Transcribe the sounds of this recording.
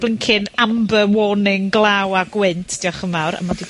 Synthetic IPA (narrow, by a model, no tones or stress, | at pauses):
b̥lˠɪŋkʰɪnambəwɔnɪŋɡlˠawaɡwɪntʰd̥iɔχəmawɾə̰madi